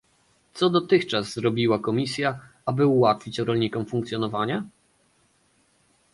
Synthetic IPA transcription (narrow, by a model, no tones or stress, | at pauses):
t̪sɔd̪ɔt̪ɘxt͡ʂazːɾɔbʲiwakɔmʲisʲja | abɘuwat̪fʲit͡ɕɔɾɔlɲikɔmfuŋkt̪sʲjɔnɔvaɲa